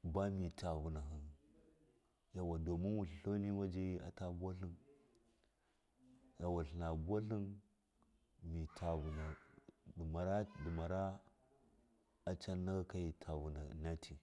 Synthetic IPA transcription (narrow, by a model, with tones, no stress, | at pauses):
ba˦mi˨tʰa˨vu˨na˨ɦə˨n | ja˨wa˨do˨mi˦nwu˨ɬɬo˦ni˦wa˦d͡ʒa˦i˦a̰˨ta˦bu˦a˦ɬi˦n | ja˨wa˨ɬi˨na˨bu˦a˦ɬi˦n | mi˨tʰa˨vu˨na˨du˨ma˨ɾa˦du˨ma˨ɾa˦ | a˦t͡ʃa˦nːa˦ɡa˦ka˦ji˨tʰa˨vu˨na̰˨na˦tʰi˨